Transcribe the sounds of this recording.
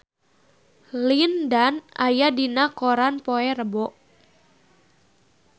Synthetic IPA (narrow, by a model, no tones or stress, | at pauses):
lindanajadinakoɾanpoɛrəbɔʔ